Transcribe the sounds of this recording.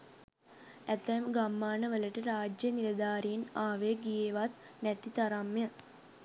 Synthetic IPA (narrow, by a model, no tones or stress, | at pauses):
æt̪ɛmɡamːaːnəʋələʈəɾaːd͡ʒjəniʋəd̪aːɾijnaːʋəjɡijeːʋat̪ | nɛt̪it̪aɾamjə